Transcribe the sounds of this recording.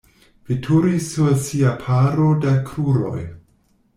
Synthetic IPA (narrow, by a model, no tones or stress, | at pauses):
vitʰuɾisːuɾsiapʰaɾodakʰɾuɾo̞̰j